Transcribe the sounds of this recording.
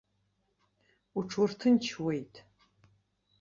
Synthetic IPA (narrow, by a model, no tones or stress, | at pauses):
uʈ͡ʂʰwʊrtʰɨnt͡ʃʰwejtʼ